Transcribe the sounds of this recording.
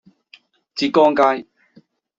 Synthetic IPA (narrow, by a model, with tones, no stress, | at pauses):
t͡si˧˨kɔ˦ŋka˦˧j